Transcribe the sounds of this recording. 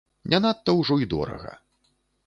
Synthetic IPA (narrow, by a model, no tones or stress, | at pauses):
nʲanat̪ːɐwʐɔid̪ɔ̰ɾɐ̰ɣɐ̰